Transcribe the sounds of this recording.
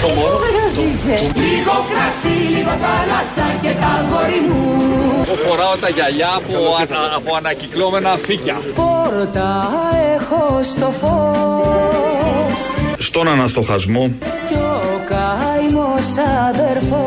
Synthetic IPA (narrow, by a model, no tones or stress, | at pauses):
ɾɐzizeliɣokɾɐsiliɣoθɐlɐsɐcet̪ɐɣoɾimuofoɾɐot̪ɐʝɐʎɐːpopoɐnɐciklomenɐficɐpoɾot̪ɐexost̪o̞fo | sst̪o̞nɐnɐst̪o̞xɐzmo | cokɐimosɐðeɾfo